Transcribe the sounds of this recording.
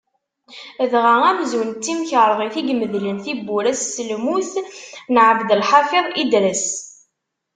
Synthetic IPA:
ðʁaʁæmzwənt͡s̪ːimçəɾˤʁiθiɡməðlənθibːuɾæsːəlmuθnʕəvd̪əlħɑfeðˤid̪ɾəs

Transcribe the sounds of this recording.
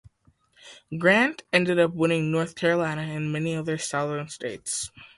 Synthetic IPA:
ɡɹæ̃ntɛ̃ndɨɾʌpwɪ̃ñɪ̃ŋnɔɹθkʰɛɹəlãɪ̃nɨɨ̃nmɛniʌðə˞saʊðə̃˞nsteɪts

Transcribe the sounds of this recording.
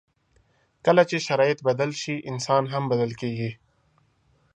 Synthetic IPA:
kɐlat͡ʃeʃɐɾɑːɪt̪bɐd̪əlʃiʔɪnsɑːnɦɐmbɐd̪əlkeːɡi

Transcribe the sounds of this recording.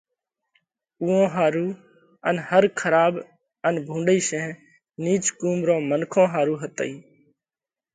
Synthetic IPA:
uːõːɦaːɾuː | ə̰nhəɾkʰəɾaːb | ənbʱũːɳɖiːʃẽː | niːt͡ʃkuːmɾõːmənkʰõːɦaːɾuːɦət̪ə̰iː

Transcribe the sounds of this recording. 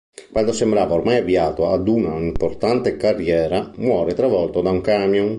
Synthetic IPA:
kwand̪osembɾaːvaormajaviaːt̪oad̪unaimport̪ant̪ekarːjɛːɾamwɔːɾet̪ɾavɔlt̪od̪auŋkaːmjoŋ

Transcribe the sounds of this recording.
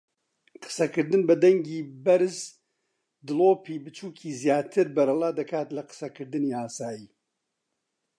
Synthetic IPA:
qʰɨ̥sɐkɨɾd̪ɨnbɐd̪ɐŋɡiːbɐɾz | d̪ɨloːpiːbɨt͡ʃʰuːkʰiːzjaːt̪ʰɨɾbɐɾɨlˠaːd̪ɐkʰaːt̪lɐqɨ̥sɐkʰɨɾd̪ɨniːaːsaːjiː

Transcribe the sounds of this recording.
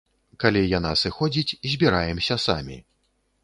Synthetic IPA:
kalʲijanasɨxɔd͡zʲit͡sʲzʲbʲiɾajɛmsʲɐsa̰mʲḭ

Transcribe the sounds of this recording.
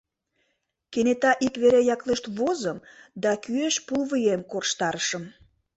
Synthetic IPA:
kenet̪ɑʔikβeɾejɑkleʃt̪βozəmd̪ɑkyeʃpulβɨjemkorʃt̪ɑɾəʃəm

